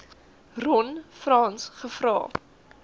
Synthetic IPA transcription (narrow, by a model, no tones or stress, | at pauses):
rɔnfrɑːnsχəfrɑ̰ː